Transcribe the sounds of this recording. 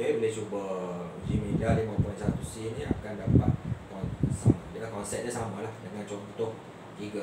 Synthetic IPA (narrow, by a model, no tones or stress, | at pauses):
eulɛht͡ʃubə | d͡ʒimidadimɔ̃pɔĩnsat̪usinia̰kandapa̰t̪̚kɔnsa̰madilahkɔnsɛp̚dasamalahdəŋãnt͡ʃɔkut̪ʊh | t̪iɡa